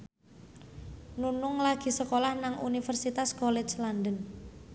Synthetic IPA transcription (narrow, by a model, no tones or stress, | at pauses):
nunʊŋlaɡ̥i̤səkolahnaŋʔṵnifərsit̪askɔlɛt͡ʃlandən